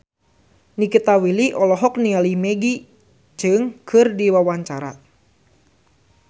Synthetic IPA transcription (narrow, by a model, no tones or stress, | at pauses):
nikit̪awiliʔɔlɔɦɔknialimɛɡi | d͡ʒɨŋkʰɨrdiwawaɲt͡ʃaɾa̰